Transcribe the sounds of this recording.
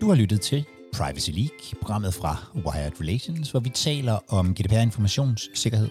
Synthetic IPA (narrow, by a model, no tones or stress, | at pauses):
d̥uhɑ̈lyd̥ð̩ˠt͡sʰe̝l | pʰʁ̥ɑ̈ɪʋəsiliːɡ̥pʰo̝ɡ̥ʁɑ̈m̰ð̞̩ˠfʁɑ̈owɑɑɪɐd̥ʁeleɕo̝nsʋɒʋit͡sʰɛ̰ːlɐʔɒ̽mɡ̥e̝d̥ʰepʰeæɐe̝nfɒmæɕo̝̰ːnsse̝ɡ̥ɐɦe̝ð̰ˠ